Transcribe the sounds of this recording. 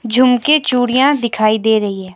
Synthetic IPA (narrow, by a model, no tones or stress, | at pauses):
d͡ʒʱʊmket͡ʃuːɽijãd̪ɪkʰaːid̪eːɾɐɦiɦɛː